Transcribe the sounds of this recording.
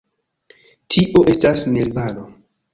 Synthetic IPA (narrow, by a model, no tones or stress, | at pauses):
tʰiʔoʔe̞stasnelbano